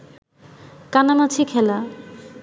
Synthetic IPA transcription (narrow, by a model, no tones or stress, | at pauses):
kanamat͡ɕʰikʰɛla